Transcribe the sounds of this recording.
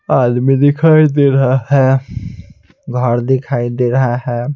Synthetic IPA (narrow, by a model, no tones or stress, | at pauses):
ad̪mid̪ikʰajd̪eɾəɦaɦɛ | ɡʱəɾd̪ikʰajd̪eɾəɦaɦɛ